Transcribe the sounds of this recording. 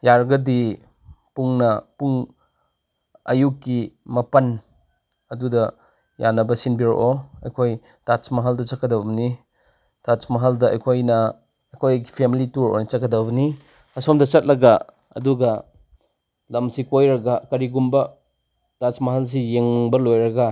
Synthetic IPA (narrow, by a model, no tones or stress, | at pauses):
jaɾɡɐdi | puŋnɐpuŋ | ɐ̰jukːimɐpɐn | ɐdudɐ | janɐbɐsinbiɾo̰ʔoɐjkʰoj | tat͡ʃmɐɦɐldɐt͡ʃɐkːɐdɐbni | tat͡ʃmɐɦɐldɐɐ̰jkʰojnɐ | kʰojipʰemilituɾo̰nit͡ʃɐt̚kɐdɐbɐni | ɐsomdɐt͡ʃɐt̚lɐɡa | ɐ̰duɡɐ | lɐmsikojɾɐɡakɐɾiɡumbɐ | tat͡ʃmɐɦɐls̬ijeŋbɐlojɾɐɡa